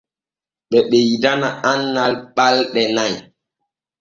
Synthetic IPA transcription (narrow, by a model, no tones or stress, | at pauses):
ɓɛɓejdanaʔanːalɓalɗɛnaj